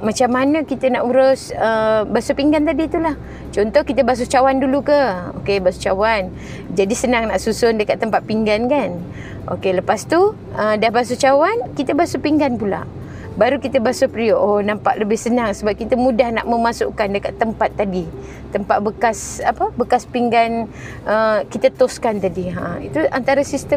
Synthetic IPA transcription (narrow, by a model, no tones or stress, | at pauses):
mat͡ʃamanəkit̪ənaʔuɾʊsəbasupiŋɡant̪̬adit̪ulah | t͡ʃɔnt̪ɔhkit̪əbas̬ut͡ʃawandulukəo̰kebaso̥t͡ʃawan | d͡ʒadisənaŋnaʔsusʊndəkat̪ːəmpat̪̚piŋɡankan | ʔo̰keləpast̪u | ədahbas̬ut͡ʃawankit̪əbasupiŋɡanpula̰ʔ | baɾukit̪əbasupɾioʔonampa̰ʔləbɪhsənaŋsəbap̚kit̪əmũdahna̰ʔməmasʊ̰ʔkandəkat̪ːəmpat̪ːadi | t̪əmpat̪̚bəkasapəbəkaspiŋɡan | ʔəkit̪ət̪ʊskant̪adiɦa̰it̪ua̰nt̪aɾasist̪ə